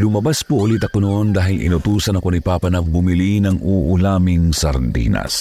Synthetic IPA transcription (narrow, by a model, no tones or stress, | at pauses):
lʊmɐbaspoʔʊlit̪ɐkonoʔond̪aːɦɪlʔɪ̰nʊt̪uːsɐnɐŋkonipaːpɐnɐbʊmilinɐŋuʔʊlaːmɪŋsɐɾd̪ḭnɐ̰s